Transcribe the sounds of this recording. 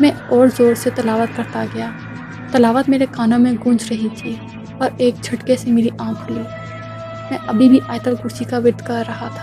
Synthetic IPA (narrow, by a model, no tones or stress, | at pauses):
mɛ̃ɔːɾzoːɾset̪ɐlaːʋət̪kɐɾt̪aɡɐjaː | t̪ɐlaːʋət̪meːɾekaːnãmẽɡʊ̃d͡ʒɾɐɦit̪ʰi | pɐɾeːk̚d͡ʒʱɐʈkesemeːɾiʔãːkʰliː | mɛ̃ʔɐbʱibʱiʔaːɪt̪əlkʊɾt͡ʃikaʋɪɾd̪kaːɐɦat̪ʰḁː